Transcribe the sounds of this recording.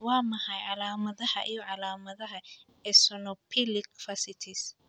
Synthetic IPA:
wɑːmɐħɐjʕɑlaːmɐðɐhɐ̰ʔijɔʕɑlaːmɐðɐɦɐ | ɛsɔnɔpʰilɪkfɐsɪt̪ʰɪs

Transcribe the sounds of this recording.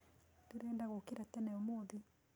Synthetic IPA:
tuɾɛːndaɣokeɾatɛnɛomoði

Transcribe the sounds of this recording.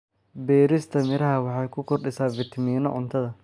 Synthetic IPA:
bɛːɾɪst̪ʰɐmɪɾɐɦɐwɑħɑjkʰʊkʰɔrɗɪsaːfɪt̪ʰɐmiːnɔʕʊnt̪ʰɐðɐ

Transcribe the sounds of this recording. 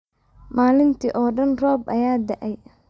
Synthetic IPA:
maːlɪnt̪ʰiːʔɔːɖɐnrɔːbʔɐjaːd̪ɐʔɛj

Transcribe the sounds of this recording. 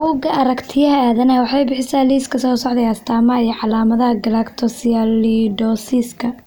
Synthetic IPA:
ʔuːɡɐʔɐɾɐkt̪ʰɪjɐɦɐaːðɐnɐwɑħɑjbɪħɪsaːliːskʰɐsɔːsɔʕd̪ɛjɐst̪ʰaːmɐijɔʕɑlaːmɐðɐɦɐɡɐlakt̪ʰɔsialiɖɔːsiskʰɐ

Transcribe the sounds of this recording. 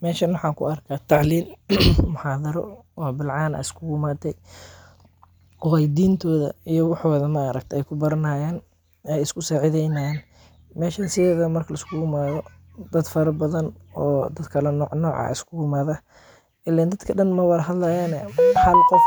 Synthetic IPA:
mɛːʃɐnwɑħɑːkʰʊ̰ɐrkʰat̪ʰɑʕliːlmʊħɑːðɐɾɔ̰wɔbɪlʕɑːnɐ̰ɪskʰʊɡʊmaːt̪ʰɛj | ɔɛjd̪iːnt̪ʰɔːðɐ̰ijɔwɑħɔðɐmɐːɾɐ̰k̚t̪ʰɛjkʰʊbɐɾɐnaːjɛːn | ɛjɪskʰʊsaːʕɪðɛjnajɛːn | mɛːʃɐnsɪðɛːðɐmɐrkʰɐlɐɪskʰʊɡʊmaːðɔ | d̪ɐd̪fɐɾɐbɐðɐnɔːd̪ɐd̪kʰɐlɛnɔːʕnɔːʕɑ̰ɪskʰʊɡʊmaːðɐ | ʔɪland̪ɐd̪kʰɐɗɐnmɐwɐðɦɐd̪lɐjaːnɛmħɑlt̪ʰɐ

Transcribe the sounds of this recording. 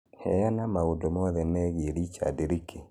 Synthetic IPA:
hɛjanamaodomɔðɛnɛɣeɾit͡ʃa̰deɾikʰe

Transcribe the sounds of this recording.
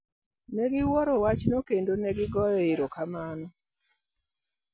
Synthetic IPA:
nɛɡɪwɔɾɔwat͡ʃnokendonɛɡɪɡɔjɔɪɾɔkamanɔ

